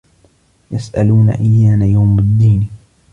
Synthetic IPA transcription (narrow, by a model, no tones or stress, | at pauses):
jasʔaluːna̰ʔajːaːnajawmad̪ːiːn